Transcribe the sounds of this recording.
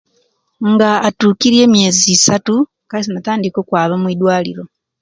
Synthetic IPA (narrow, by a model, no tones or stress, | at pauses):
ŋɡaːtuːkiɾie̞ːmje̞ːzisatu | kais̬inataːndiko̞ːkwaːβamwiːdwaːlḭɾo̞